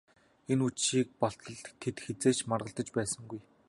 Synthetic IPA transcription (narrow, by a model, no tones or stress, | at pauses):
enut͡ɕʃiːk̚pɔɬt̪ɞ̆ɮt̪ʰːet̪xet͡seːt͡ɕmarʁə̆ɬt̪ə̆t͡ɕpæːsə̆ŋɡuj